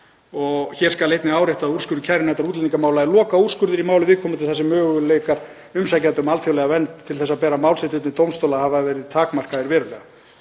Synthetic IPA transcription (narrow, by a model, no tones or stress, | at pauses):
ɔɣçɛɾ̥skalejt̪nɪaːwɾeht̪aːur̥skʏɾðɪcʰajɾɪnɛht̪aɾuːt̪lɛt̪niŋkamaːwlaɪlɔːkaurskʏɾðɪɾimaːwlɪvɪːðkʰɔmʏt̪ɪθɛsɪmœːɣʏleːjkaɾ̥ | ʏmsacat̪ʏmalθjowlɛɣavɛnt̪ʰːɪlθɛsːaðpɛːɾamaːwlset̪ʏt̪nɪt̪owmst̪owlahavavɛːɾɪðt̪ʰaːkmar̥kaɪɾvɛːɾʏlɛa